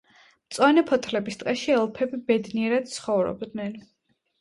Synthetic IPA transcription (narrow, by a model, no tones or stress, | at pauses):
mt̪sʼwanɛpʰɔt̪ʰlɛbist̪ʼqʼɛʃiɛlˠpʰɛbibɛd̪niɛɾad̪̥̚t̪sʰχɔvɾɔ̰bd̪nɛn